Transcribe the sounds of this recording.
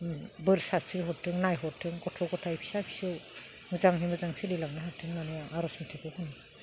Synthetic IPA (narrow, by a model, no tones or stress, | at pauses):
bɯɾsasiɾɦɔtʰɯŋnajɦɔtʰɯŋɡɔtʰɔɡɔtʰajpʰi̥sapʰi̥sɯw | mɯzaŋnimɯzaŋselilaŋniɦatʰːɯŋnaniaaɾɔsmitʰekʰɯɔhɔni